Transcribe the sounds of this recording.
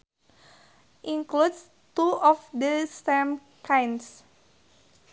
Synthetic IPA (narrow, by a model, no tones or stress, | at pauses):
ʔiŋkluds | t̪uɔfd̪əsɛm | kajns